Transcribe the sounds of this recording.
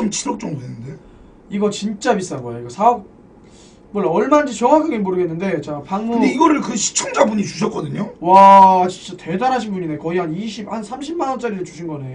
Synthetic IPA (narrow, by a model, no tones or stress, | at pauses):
omt͡ɕiɾʌk̚t͡ɕ͈ʌŋdoenːɯnde̞ | iɡʌt͡ɕint͡ɕ͈abis͈amoajiɡasʰaʌk̚ | mʌɭːaʌɭmad͡ʑet͡ɕʌŋakʰaɡemoɾɯɡe̞nːɯnde̞t͡ɕapaŋmudeiɡʌɾɯɭkɯɕʰi̥t͡ɕʰʌŋd͡ʑabuɲit͡ɕuɕʰʌt̚k͈ʌdɯɲowat͡ɕint͡ɕ͈ate̞danɦaɕʰinbuɲinekʌiɦaniɕʰibhansʰamɕʰimmanʌnt͡ɕ͈aɾiɾɯɭt͡ɕuɕʰinɡʌne̞o